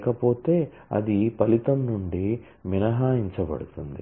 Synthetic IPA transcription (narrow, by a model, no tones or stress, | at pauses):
kɐpo̞ːt̪e̞ː | ɐ̰d̪ipɐlit̪ɐmnuɳɖi | minɐɦaːiɲt͡ʃɐbɐ̰ɽut̪und̪i